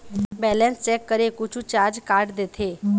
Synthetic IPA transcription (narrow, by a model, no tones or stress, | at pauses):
bɛːlɛ̃nst͡ʃɛːkːəɾekʊt͡ʃʰũt͡ʃaːɾd͡ʒkaːɾɖd̪eːt̪ʰeː